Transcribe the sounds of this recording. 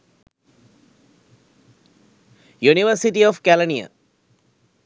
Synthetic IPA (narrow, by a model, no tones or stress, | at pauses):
juniʋəɾsiʈiɔfkælənijə̰